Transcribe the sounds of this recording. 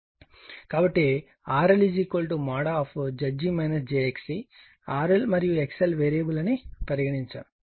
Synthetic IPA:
kaːbɐʈːi | aːɾɐlid͡ʒikolʈumaːɽaɔːpʰd͡ʒɐd͡ʒimɐjnɐsd͡ʒeeksi | aːɾɐlmɐɾijuekselʋeːɾeːbulɐnipɐɾiɡɐɽiɲt͡ʃɐ

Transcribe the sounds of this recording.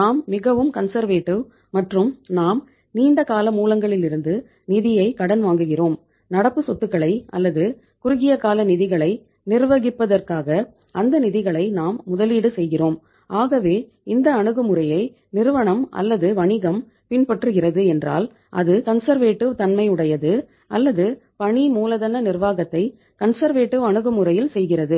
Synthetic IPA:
naːmːɪɣɐʋɯmkɐnsɐɾʋeːʈːɯ | mɐʈrɯmnaːm | niːɳɖɐkaːlɐmuːlɐŋɡɐɭɪlɪɾɯnd̪ɯ | nɪðɪjɐɪkɐɽɐnʋaːŋɡɯɣɪroːm | nɐɽɐpːɯsɔt̪ːɯkːɐɭɐɪɐ̰lːɐðɯ | kʊɾʊɣɪjɐkaːlɐnɪðɪɣɐɭɐɪ | nɪɾʋɐɣɪpːɐðɐrkaːɣɐ | ʔɐnd̪ɐnɪðɪɣɐɭɐɪnaːmːʊðɐliːɽɯsɛjɣɪroːm | aːɣɐʋeː | ɪnd̪ɐːɳɯɣɯmʊɾɐjɐɪ | nɪɾɯʋɐɳɐmɐ̰lːɐðɯʋɐɳɪɣɐm | pɪnpɐʈrɯɣɪrɐðɯɛndra̰ːl | ʔɐ̰ðɯkɐnsɐɾʋeːʈːɯt̪ɐnmɐɪʊɽɐjɐðɯ | ʔɐlːɐðɯpɐɳimuːlɐðɐnɐnɪrʋaːɣɐt̪ːɐɪ | kɐnsɐɾʋeːʈːɯɐɳɯɣɯmɯɾɐjɪlsɛjɣɪrɐðɯ

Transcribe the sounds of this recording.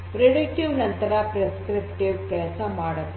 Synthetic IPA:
pɾeɽikʈiʋnɐnt̪ɐɾɐpɾeskɾip̚ʈiʋkɛɭsɐmaːɽɐt̪ː

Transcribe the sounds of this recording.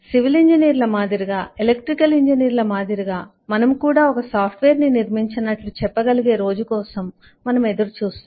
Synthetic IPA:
siʋiliɲd͡ʒɐniːɾlɐmaːd̪iɾiɡaːelekʈɾikɐliɲd͡ʒɐniːɾlɐmaːd̪ʱiɾiɡaː | mɐnɐmkuːɽaːɔkɐsaːpʰʈʋeːɾniniɾmiɲt͡ʃinɐʈlut͡ʃɛpːɐɡɐliɡe̞ːɾo̞ːd͡ʒukɔːsɐmː | ɐnɐmed̪ɐɾut͡ʃuːst̪u

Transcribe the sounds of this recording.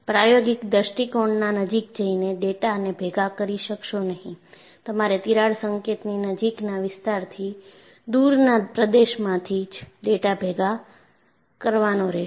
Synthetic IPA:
pɾajoɡɪkd̪əʃʈikoɳɖnanəd͡ʒik̚d͡ʒəineɖeʈaənebʱeɡakəɾiʃəkʃonəɦĩ | t̪əmaɾet̪iɾaɽsəŋket̪ninəd͡ʒiknaʋɪst̪aɾt̪ʰi | d̪uɾnapɾəd̪eʃmãt̪ʰid͡ʒɖeʈabʱeɡa | kəɾʋanoɾɛ

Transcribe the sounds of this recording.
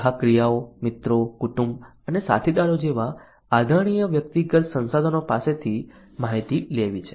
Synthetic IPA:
ɦakɾijaomɪt̪ɾokuʈumb | ənesa̰t̪ʰid̪aɾod͡ʒeʋaː | d̪ʱəɽ̃ijəʋjək̚t̪iɡət̪sə̃nsad̪ʱənopaset̪ʰi | maɦit̪ileʋit͡ʃʰe̥

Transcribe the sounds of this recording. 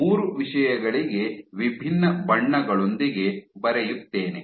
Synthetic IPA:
muːɾuʋiʂɐjɐɡɐɭiɡe̞ʋibʱinːɐbɐɳːɐɡɐɭo̞nd̪iɡe̞bɐɾɛjut̪ːe̞ːne

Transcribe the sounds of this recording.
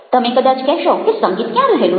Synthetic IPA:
t̪əmẽkəd̪at͡ɕkɛʃɔkisəŋɡiːt̪kjãləɦelu

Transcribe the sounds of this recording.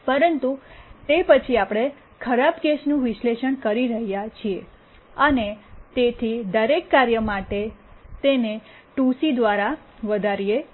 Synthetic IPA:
pəɾənt̪ut̪epət͡ʃʰiapɽ̃e | kʰəɾabkesnũʋɪʃleʃəɳkəɾiɾəɦijat͡ʃʰie | ənet̪et̪ʰid̪əɾekːaɾjəmaʈet̪ene | ʈusid̪ʋaɾa | ʋəd̪ʱaɾije

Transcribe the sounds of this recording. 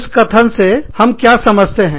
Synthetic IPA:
skɐt̪ʰənsehɐmkjasɐməd͡ʒt̪eɦɛ̃ː

